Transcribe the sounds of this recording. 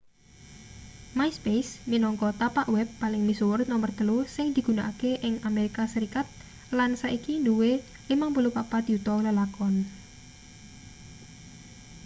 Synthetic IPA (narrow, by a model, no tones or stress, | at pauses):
majspejsminɔŋkɔt̪apaʔwɛbːalɪŋmisuwrnɔmərd̪̥əlosɪŋd̪̥i̤ɡ̥unaʔakeʔɪŋameɾikasəɾikat̪̚ | lansaʔikind̪uwe | limaŋpəlupapad̪̥iut̪ɔwləlakɔn